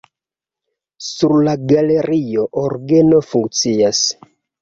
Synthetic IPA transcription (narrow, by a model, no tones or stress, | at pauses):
suɾlaɡale̞ɾʔio̞ʔoɾɡe̞no̞fuŋk̚t͡sias